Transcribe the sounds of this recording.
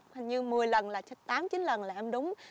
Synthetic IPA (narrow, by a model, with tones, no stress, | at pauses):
t̪ʰa˨˩jŋɲɨ˧mɨ˨˩əjlə˨˩nlaː˨˩t͡ɕə˨˦t̪aː˨˦mt͡ɕi˨˦nlə˨˩nlaː˨˩ʔɛ˧mɗʊ˨˦ŋ͡m